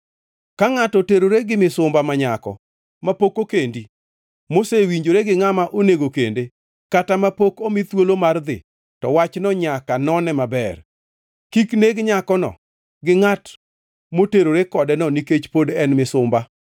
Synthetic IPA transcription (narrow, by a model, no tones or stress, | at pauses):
kaŋatɔteɾoɾeɡɪmɪsʊmbamaɲakɔ̰ | mapokokendi | mosewiɲd͡ʒoɾeɡɪŋamaʔoneɡokende | katamapokomɪt̪wolomard̪ɪ̰ | tɔ̰wat͡ʃnɔɲakanɔnɛmabɛr | kikneɡɲakɔnɔ̰ | ɡɪŋat | moteɾoɾekɔdɛnɔniket͡ʃpodɛnmɪsʊmba